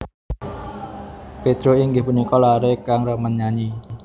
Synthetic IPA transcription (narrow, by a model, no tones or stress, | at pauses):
ped̪̥ɾoiŋɡɪhpunikɔlaɾekaŋrəmənɲaɲi